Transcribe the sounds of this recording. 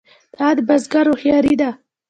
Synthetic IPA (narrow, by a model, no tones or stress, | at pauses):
d̪̥ɑd̪əbazɡaɾoxjɑɾid̪a